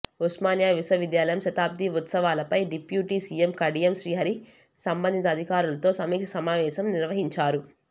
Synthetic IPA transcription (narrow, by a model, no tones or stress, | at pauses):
usmaːnjaːʋisɐʋid̪jaːlɐjɐmʃɐt̪aːb̚d̪iut̪sɐʋaːlɐpɐjɖipjuːʈiːsiemkɐɽijemʃɾiːɦɐɾi | sɐmbɐnd̪it̪ɐːd̪ʱikaːɾulɐt̪o̞ːsɐmiːkʂɐsɐmaːʋɛːʃɐmniɾʋɐɦiɲt͡ʃaːɾu